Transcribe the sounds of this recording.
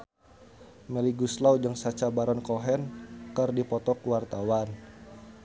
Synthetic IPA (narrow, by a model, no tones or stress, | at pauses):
mɛliɡuslawd͡ʒəŋsat͡ʃabaɾɔnkɔɦɛnkərdipɔt̪ɔkuwart̪awan